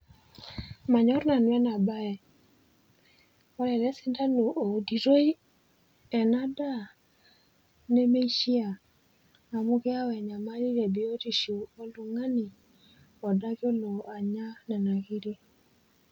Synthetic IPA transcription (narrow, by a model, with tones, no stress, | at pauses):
ma˨ɲɔ˦ɾna˨nwɛ˦na˨ba˦ɛ˨ | ɔ˦lɛ˨lɛ˦sɪ˦nda˦lo˨ʔo˨di˨ɾo˦i˦ | ɛ˨na˦da˦˨ | nɛ˦me˦i˦ʃi˦a˨ | a˨mu˦kɛ˦a˦wɛ˨ɲa˨ma˦ɾi˦ɾɛ˨bi˨˦o˦ti˨ʃo˨o˦lu˨ŋa˦ni˨ | ɔ˨da˦kjɔ˦lo˨a˨ɲa˦nɛ˨na˨ki˦ɾi˦